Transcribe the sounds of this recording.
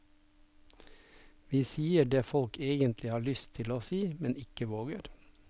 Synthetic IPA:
ʋiːsiːəɖeːfɔlkeːɡənt̪lɪhɑːɭʏst̪ʰɪloːsiːmɛnɪkəʋoːɡəɾ

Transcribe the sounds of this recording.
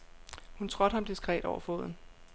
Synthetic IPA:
hunt͡sʰʁɔ̽d̥hɑ̈md̥isɡ̥ʁɛ̰ːd̥ɒʊɐfo̰ðˠn̩

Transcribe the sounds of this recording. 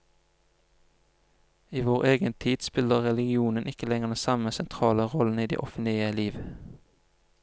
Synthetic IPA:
iːʋoːʁeːɡənt̪ʰiːd̪̥spɪləʁʁɛlɪɡɪuːnənʔɪkəlɛŋəʁd̪ɛsɑməsɛnt̪ʰʁɑːləʁɔln̩iːd̪ḛːʔɔfənt̪ɪəliːʋ

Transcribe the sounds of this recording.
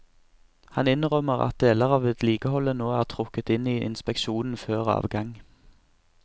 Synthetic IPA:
hɑnɪnʁœməʁɑ̰t̪̚d̪eːləʁɑːʋɛt̪ʰliːkəhɔlənoːæːʁt̪ʰʁʊkət̪ɪniːʔɪ̰nspɛkʃuːnn̩føːʁɑ̰ːʋɡɑŋ

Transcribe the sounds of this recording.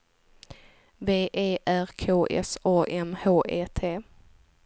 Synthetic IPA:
beːʔeːʔæɾkʰoːʔɛ̰sɑːʔɛmhoːʔeːt̪ʰeː

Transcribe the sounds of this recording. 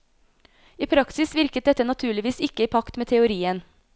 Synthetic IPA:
iːpʰɾɑksɪsʋɪɾkət̪̚d̪ɛt̪ːənɑt̪ʰʉːɭɪʋiːsɪkːəiːpʰɑkt̪meːt̪ʰɛʊɾiːən

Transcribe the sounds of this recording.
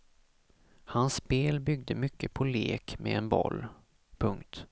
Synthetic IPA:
hansːpeːlbʏɡ̚d̪əmʏkːəpʰɔleːkmɛɛnbɔ̰lː | pʰɵŋkt̪

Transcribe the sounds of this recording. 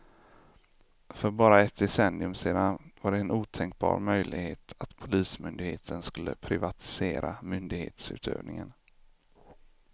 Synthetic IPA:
fœɾbɑːɾaɛt̪̚d̪ɪsɛnːɪɵmseːd̪anvaɖɛːnuːt̪ʰɛŋk̚bɑ̰ːɾmœjlɪɡheːt̪ʰat̪pʰʊliːsmʏnd̪ɪɡheːt̪ʰənskɵlːəpʰɾɪvat̪ʰɪ̥seːɾamʏnd̪ɪɡhḛːt̪sʉ̟ːt̪ʰø̰ːvnɪŋən

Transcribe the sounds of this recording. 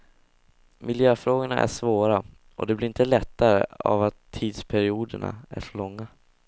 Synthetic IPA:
mʔɪljøːfɾoːɡʊɳa̰ʔæ̰ʂvoːɾa | ʔɔd̪ɛblɪɾɪnt̪əlɛt̪ːaɾə̰a̰vat̪ʰːiːd̪spʰæɾɪuːd̪əɳa̰æ̰ʂɔɭɔŋːa

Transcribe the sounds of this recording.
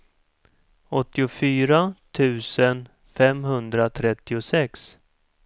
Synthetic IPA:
ɔt̪ːɪʊfyːɾat̪ʰʉ̟ːsən | fɛmɦɵnd̪ɾat̪ʰɾɛt̪ːɪʊsɛks

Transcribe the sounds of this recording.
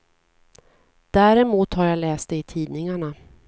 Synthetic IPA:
d̪̥æːɾɛmuːt̪haɾjalɛːst̪ɛɪt̪ʰiːd̪nɪŋaɳa

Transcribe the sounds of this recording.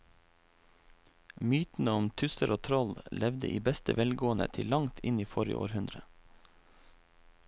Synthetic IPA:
myːt̪n̩əʊmt̪ʰʉsəɾʔoːt̪ʰɾɔllʔɛʋd̪ə̰ʔḭːbɛst̪əʋɛlɡoːənə̰t̪ʰɪlɑŋt̪ʰɪniːfɔɾə̰ʔo̰ːɾhʉnd̪ɾə

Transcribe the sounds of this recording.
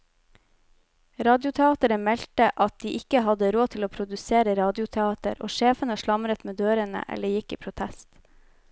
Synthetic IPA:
ɾɑːd̪jʊt̪ʰɛɑːt̪əɾəmɛltəʔɑt̪̚d̪iːʔɪkəɦɑd̪əɾoːt̪ʰɪloːpʰɾʊd̪ʉseːɾəɾɑːd̪ɪʊt̪ʰɛɑːt̪ə̰ɾo̰ːʃeːfənəʃɭɑmɾət̪meːd̪øːɾənə̰ʔɛ̰lːəjɪkːḭːpʰɾʊt̪ʰɛst̪

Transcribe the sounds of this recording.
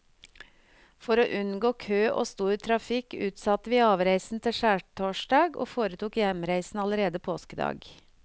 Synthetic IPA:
fɔɾoːʔʉnɡoːkʰøːʔo̰ːst̪uːʉt̪ʰɾɑfɪkʉːt̪sɑt̪əʋiːɑːʋɾæɪsn̩t̪ʰɪʃæːʈʰoːʃɖɑːɡʔo̰ːfoːɾət̪uːkjɛmɾæɪsn̩ɑləɾeːd̪əpʰoːskəd̪ɑ̰ːɡ

